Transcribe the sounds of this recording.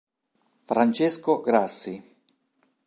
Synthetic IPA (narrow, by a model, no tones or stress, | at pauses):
fɾant͡ʃeskoɡɾasːi